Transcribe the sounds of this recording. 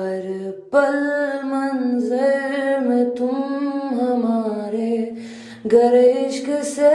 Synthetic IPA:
ɐɾ | pɐlmɐnzəɾmẽt̪umɦɐmaːɾe | ɡɐɾeʃkese

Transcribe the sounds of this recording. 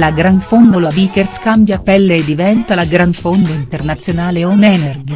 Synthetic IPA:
laɡɾanfond̪olaviːkerskambjapɛlːeːd̪ːivɛnt̪alaɡɾanfond̪aint̪ernat̪sːjonaːleonɛːnerɡi

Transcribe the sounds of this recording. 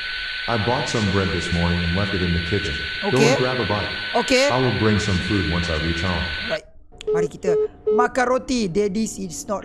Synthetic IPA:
ʔaɪbɔtsʌ̃mbɹɛd̪̚ðɪsmɔɹnɪ̃ŋɨ̃nlɛftɨɾɨ̃nðɨkʰɪt͡ʃɨ̰̃noɡokɡɹævəbaɪkokeaɪwɪlˠbɹɪ̃ŋsʌ̃ɱfʉd̚wʌ̃nsaɪɹit͡ʃhãʊ̃mɹaɪt̚ | waɾikitəmakaɹotidɛdisitsnɔt

